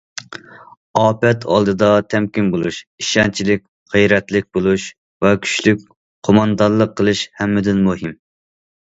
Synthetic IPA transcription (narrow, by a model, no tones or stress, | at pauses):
ɑːpɛt̪ʰɑ̰lˠd̪ɨd̪ɑt̪ʰɛmkʲinbolˠuʃiʃɛnt͡ʃʰilɪkʲ | ʁəjɾɛt̪lɪk̚ʲbolˠuʃ | vɛkʲʰy̥ʃlykʲ | qʰomɑnd̪ɑnlˠəqʰːəlˠɨʃhɛmːɪd̪ɪnmuhɪm